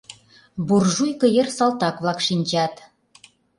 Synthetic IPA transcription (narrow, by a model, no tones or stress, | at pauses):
burʒujkɤ̆jersɑlt̪ɑkβlɑkʃinʲt͡ɕɑt̪